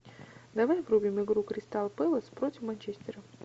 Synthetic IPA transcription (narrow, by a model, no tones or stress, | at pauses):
d̪ɐvajvɾubʲɪmɨɡɾukɾʲɪst̪alˠpɛlˠəspɾotʲɪfmɐnʲt͡ɕesʲt̪ʲɪɾə